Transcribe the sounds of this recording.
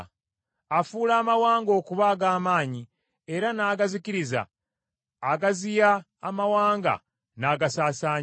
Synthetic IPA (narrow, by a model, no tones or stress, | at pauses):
afuːlaːmawaːŋɡo̞ːkuβaːɡaːmaːɲi | e̞ɾanaːɡaziciɾiza̰ː | ɡazijaː | mawaːŋɡa̰ | naːɡasaːsaːɲ